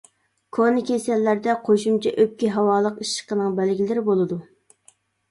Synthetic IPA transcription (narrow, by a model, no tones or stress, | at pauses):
kʰonɨkʲʰesɛlːæɾd̪ɛqʰoʃumt͡ʃʰɛʔøp̚kʲiɦɑwɑːlˠəqiʃːə̥qənɨŋbælɡʲilɪɾɪbolˠɨd̪u